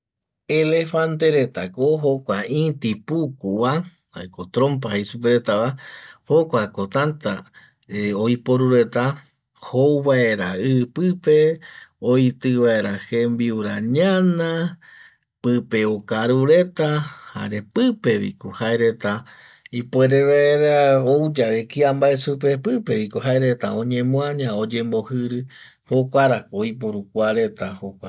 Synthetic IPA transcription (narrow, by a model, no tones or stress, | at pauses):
elefant̪eɾe̞t̪akoɦo̞kʷaĩt̪ipukuβa | ha̰jkot̪ɾõmp̬ahejsup̬eɾet̪aβahokʷako̞t̪ant̪a | eoipoɾuɾe̞t̪a | howβae̞ɾaɨpɨpe̞ojt̪ɨβaeɾahembiuɾaɲãnã | pɨpe̞okaɾuɾe̞t̪aha̰ɾe̞pɨpe̞βḭkohaeɾe̞t̪a | ipwe̞ɾeβaeɾaowd͡ʒaβekiambaesupe̞pɨpe̞βikoɦaeɾe̞t̪aõ̞ɲẽ̞mũãɲãod͡ʒe̞mbo̞hɨɾɨ | hokʷaɾakojp̬oɾukʷaɾe̞t̪ahokʷa